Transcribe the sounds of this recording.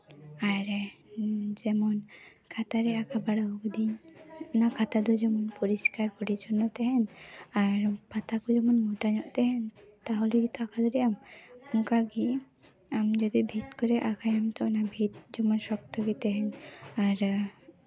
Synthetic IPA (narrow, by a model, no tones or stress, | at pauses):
aɾɛ | d͡ʒɛmɔn | kʰat̪aɾɛakʰabaɽaɔkd̪iɲɔnakʰat̪ad̪ɔd͡ʒɛmɔnpɔɾiskaɾkɔɽit͡ʃʰɔnːɔt̪ɛɦɛnaɾpat̪akud͡ʒɛmɔnmɔʈaɲɔʔt̪ɛɦɛnt̪aɦɔlɛkit̪ɔakʰad̪ɔɽiʔamɔŋkaɡi | amd͡ʒɔd̪ibʱit̪kɔɾɛʔakʰajamt̪ɔɔnabʱit̪̚d͡ʒɔmɔnsɔk̚t̪ɔɡit̪ɛɦɛnaɾ